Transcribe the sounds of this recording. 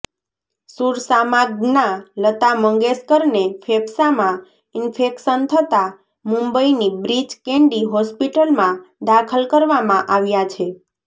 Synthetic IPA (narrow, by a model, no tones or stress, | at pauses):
suɾsamaɡnalət̪aməŋɡeskəɾnefʰebsamã | ɪnfʰekʃənt̪ʰət̪a | mũmbəinibɾid͡ʒkẽɳɖiɦɔspiʈəlmãd̪akʰəlkəɾʋamãʔaʋjat͡ʃʰe